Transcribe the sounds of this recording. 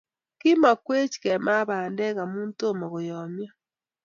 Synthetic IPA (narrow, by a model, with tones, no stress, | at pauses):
ki˦ma˨kwe˦t͡ʃi̥˨kɛ˨ma˦βaː˨ndɛ˦ɣa˨muː˦nto˦ma˨ɣo˨jɔmja˦